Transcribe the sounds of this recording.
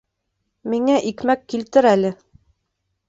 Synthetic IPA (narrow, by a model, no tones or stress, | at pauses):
miŋæʔikmækːilt̪ɘɾælɘ